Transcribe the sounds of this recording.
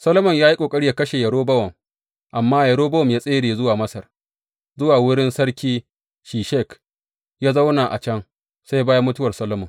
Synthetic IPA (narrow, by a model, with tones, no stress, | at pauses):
sɐ˦lo˦mɔ˨ɲjaː˦ji˦kʷʼoː˨kʼɐ˦ɽi˦ja˨kɐ˦ʃeː˨jɐ˨ɽoː˦bɐ˦wɐ˨m | ʔa˨mːaː˦jɐ˨ɽoː˦bɐ˦wɔ˨mjaː˦sʼeː˦ɽeː˨zʊ˦waː˨mɐ˦sɐ˨r | zʊ˦waː˨wʊ˦ɽɪ˦nsɐ˦ɽkʲiː˦ | ʃiː˨ʃɛ˦˨k | jaː˦za˦wnaː˨ʔa̰˨t͡ʃɐ˦ŋ | sa˦jbaː˦ja˦mʊ˦tʊ˦wɐ˨rsɐ˦lo˦mɔ˨ŋ